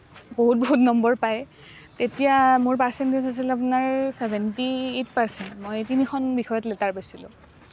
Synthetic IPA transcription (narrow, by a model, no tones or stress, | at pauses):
boɦut̚bɔɦutnɔmbɔɹpaj | tetijamʊɹpaɹsɛntesas̬ilap̬ʊnaɹsɛbʱɛntietpaɹsɛntmojtinikʰɔnbixɔjɔtlɛtaɹpasilʊ̰̃